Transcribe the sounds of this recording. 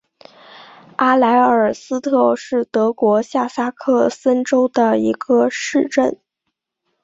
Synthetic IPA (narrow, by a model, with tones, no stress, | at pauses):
a˥la˧˥ɪə˞˨˩sɹ̩˥t̪ʰɤ˥˧ʂɻ̩˥˩t̪ɤ˧˥kwɔ˧˥ɕja˥˩sa˥kʰɤ˥˩sə˥nʈ͡ʂo˥ʊd̪ə˨i˧˥ɡ̥ə˧ʂɻ̩˥˧ʈ͡ʂə˥˩n